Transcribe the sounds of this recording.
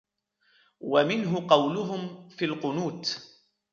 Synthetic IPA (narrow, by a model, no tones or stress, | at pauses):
wamɪnɦʊqɑwlʊɦʊmfilqʊnuːt̪